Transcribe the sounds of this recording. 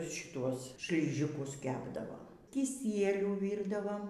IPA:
ʃʲɪˈtuɔs ʃʲlʲɪˈʒʲɪkʊs ˈkʲæːbdɐʋoː kʲɪˈsʲiɛlʲuː ˈʋʲiːrdɐʋoːm

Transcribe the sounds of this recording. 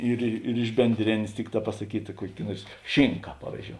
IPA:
ˈiːr ɪ ɪr ɪʃ bʲɛnʲˈdʲrʲeːnʲeːs ˈtʲɪkˌtɑː pɐsɐˈkʲiːtɐ ˈkuɔkʲ ˈnuɔrs ˈʃʲɪŋkɐ ˈpɑːʋʲiːzʲˌd͡ʒʲoːʊ

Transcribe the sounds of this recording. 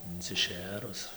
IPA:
ɪnʲt͡sʲɪˈʃʲeːrʊs

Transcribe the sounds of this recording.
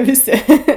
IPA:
ʋʲɪˈsʲɪ

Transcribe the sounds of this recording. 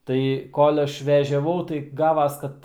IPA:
ˈtɐɪ koːlʲ ˈɐʃ ʋʲɛʒʲɛˈʋɐʊ tɐɪ ˈɡɑːʋɐs ˈkɐt

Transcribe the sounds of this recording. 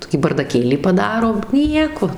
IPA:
ˈtoːkʲiː bɐrdɐˈkʲeːlʲiː pɐˈdɑːroː ˈnʲiɛkoː

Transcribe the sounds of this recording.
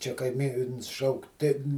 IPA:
ˈt͡ʃʲɛ kɐɪˈmʲiːns ˈʃɐʊk tʲɪn

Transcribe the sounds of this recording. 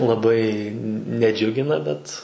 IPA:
lˠɐˈbɐɪ nʲɛˈd͡ʒʲʊɡʲɪnɐ ˈbʲɛt

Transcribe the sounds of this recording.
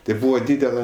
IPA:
tɐɪ ˈbuːʋɐ ˈdʲiːdʲɛlˠɐ

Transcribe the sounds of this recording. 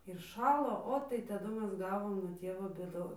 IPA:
ɪr ˈʃɑːlˠoː ˈoː tɐɪ tɐˈdʊ ˈmʲɛs ˈɡɑːʋoːm nuɔ ˈtʲiɛʋoː bʲeːˈdoːn

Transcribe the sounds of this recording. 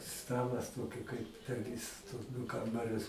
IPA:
ˈstɑːlˠɐs ˈtoːkʲɪ kɐɪp pʲɛr ˈʋʲɪs tuɔs ˈdʊ ˈkɐmbɐrʲʊs

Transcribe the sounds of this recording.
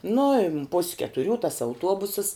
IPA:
ˈnʊ ɪ pʊsʲ kʲɛtʊˈrʲuː tɐs ɐʊˈtuɔbʊsəs

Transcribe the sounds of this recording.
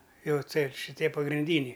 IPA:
ˈjɛʊ ˈtɐɪp ʃʲɪˈtʲiɛ pɐɡrʲɪnʲˈdʲiːnʲɛɪ

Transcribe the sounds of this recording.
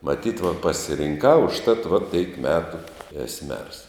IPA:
mɐˈtʲiːt ʋɐ pɐsʲɪrʲɪŋˈkɐʊ ʊʃˈtɐt ʋɐ tɐɪp ˈmʲæːtʊ ɛs mʲɛrs

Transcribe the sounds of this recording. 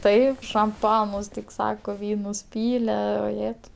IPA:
ˈtɐɪp ʃɐmˈpɑːnʊs tʲɪk ˈsɑːkoː ˈʋʲiːnʊs ˈpʲiːlʲɛ oːˈjæːtɐʊ

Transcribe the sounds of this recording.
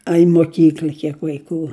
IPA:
ɐ ɪ moːˈkʲiːklʲɐ ˈkʲiɛk ʋɐɪˈkuː

